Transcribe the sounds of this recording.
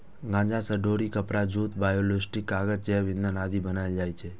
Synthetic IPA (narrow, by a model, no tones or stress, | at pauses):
ɡãd͡ʒãsəɖoɾikəpɾad͡ʒut̪bajolosʈikːaɡəd͡ʒt͡ʃɛʋinənad̪ʱibənaed͡ʒajt͡ʃʰe